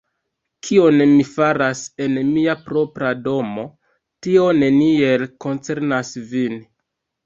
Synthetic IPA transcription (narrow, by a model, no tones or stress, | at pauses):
kʰio̞nmifaɾase̞nmiapɾo̞pɾado̞mo̞ | tio̞ne̞nie̞lko̞nt͡se̞ɾnasvin